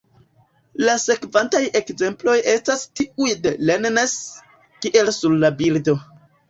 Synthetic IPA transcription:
lase̞kvantaje̞kze̞mplo̞je̞stastiujdelennes | kiʔe̞lsuɾlabildo̞

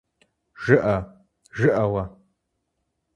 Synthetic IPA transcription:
ʒ̥ɨʔɐ | ʒɨʔɐwɐ

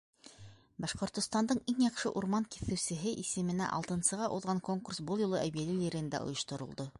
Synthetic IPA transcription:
bɑʃqŏɾt̪ŏst̪ɑnd̪ɤɴiŋjɑqʃɤʔuɾmɑŋkiθɘ̆wsɘ̆ɦɘʔisɘ̆mɘ̆næ̰ʔɑ̰lˠt̪ɤ̆nsɤ̆ʁɑʔuðʁɑŋkoŋkursbɤlˠjŏlˠɤʔæβijælɘliɾɘ̆ɘ̆nd̪æ̰ʔŏ̰jŏʃt̪ŏɾŏlˠd̪o

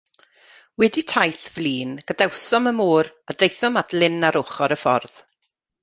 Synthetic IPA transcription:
wɛditʰajθvliːnɡ̥adɛwsɔməmuːɾadejθɔmatlɪnaɾʊχɔɾəfɔ̰rð̥

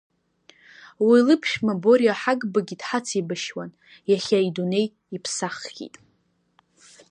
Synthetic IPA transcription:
wilɨpʰʃᶣmabo̞ɾijaħaɡbaɡʲidħat͡sʰibaʃwan | jaχʲaidune̞j | ipʰsaχɡʲḭtʼ

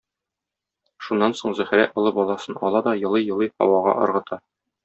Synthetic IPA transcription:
ʃunːɑnsoɴzæhɘɾæ̰ʔɒ̆lˠɤbɒlˠɑsɤnɒlˠɑd̪ɒjɤ̆lˠɤjɤ̆lˠɤjhɒ̰wɑʁɑ̰ʔɒ̰ɾʁɤ̆t̪ɑ

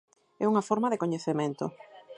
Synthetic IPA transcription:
ɛuŋɐfoɾmaðɪkoɲeθemẽnt̪ʊ̰

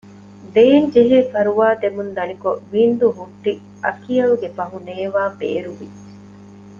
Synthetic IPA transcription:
d̪eːɲd͡ʒiɦeːfɐɾuʋaːd̪emund̪ɐnikoʋiːnd̪uɦuʈːi | ɐ̰kijɐluɡefɐɦuneːʋaːbḛːɾuʋiːe

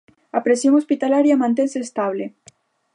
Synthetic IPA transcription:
apɾesjoŋospit̪alaɾjamãnt̪̬enseːst̪aβle

